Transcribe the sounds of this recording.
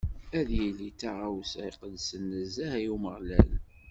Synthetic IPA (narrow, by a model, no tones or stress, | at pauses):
æðjəlːit̪ːaʁawsiqəd̪sənːəzːæhæjuməʁlæl